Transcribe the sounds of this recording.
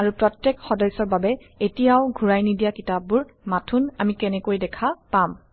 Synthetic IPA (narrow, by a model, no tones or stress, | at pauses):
aɹupɹɔtːɛkxɔdɔjsɔɹbabɛ | etijaoɡʱuɹajnidijakitap̚buɹ | matʰuna̰mikɛnɛkojdɛkʰapam